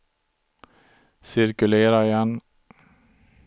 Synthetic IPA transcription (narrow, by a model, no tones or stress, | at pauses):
sɪɾkɵleːɾajɛn